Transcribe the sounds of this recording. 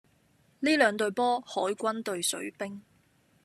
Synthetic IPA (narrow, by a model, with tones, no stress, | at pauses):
liː˥lœː˨˧ŋt̪ɵ˨ɥpɔː˥hɔː˨˥jkʷɐ˥nt̪ɵ˨ɥsɵ̰˨˥ɥpɪ˥ŋ